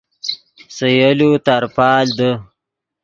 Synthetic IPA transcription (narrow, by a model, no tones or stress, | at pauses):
səjəlut̪aɾpɑːld̪ə